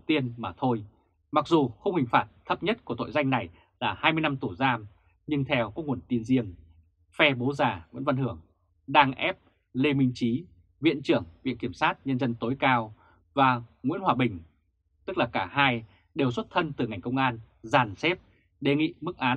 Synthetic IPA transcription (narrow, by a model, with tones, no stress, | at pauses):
t̪i˧ənmaː˨˩t̪ʰo˧j | ma˨˩k̚zu˨˩xə˧wŋ͡mhï˨˩ŋ̟faː˨˧˩t̚t̪ʰə˦˥p̚ɲə˦˥t̚ku˧˩ət̪o̰˧˨jza˧jŋna˨˩j | laː˨˩haː˧jmɨ˧jna˧mt̪u˧˩zaː˧m | ɲɨ˧ŋt̪ʰɛ˧wkɔː˨˦˥ŋu˨˩ənt̪i˧ənzi˧əŋ | fɛ˧ɓo˨˦zaː˨˩ŋwḭ˧˥ənva˧nhɨ˧˩əŋ | ɗaː˧ŋʔɛ˦˥p̚ | le˧mi˧ŋ̟t͡ɕi˨˦ | vḭ˧˨ənt͡ɕɨ˧˩əŋvḭ˧˨ənki˧˩əmsaː˦˥t̚ɲə˧nzə˧nt̪o˨˦jkaː˧w | vaː˨˩ŋwi˧˥nhwaː˨˩ɓï˨˩ŋ̟ | t̪ɨ˦˥k̚laː˨˩kaː˧˩haː˧j | ɗe˨˩wswə˦˥t̚t̪ʰə˧nt̪ɨ˨˩ŋa˨˩jŋ̟kə˧wŋ͡mʔaː˧n | zaː˨˩nsɛ˦˥p̚ | ɗe˨˩ŋḭ˧˨mɨ˦˥k̚ʔaː˨˦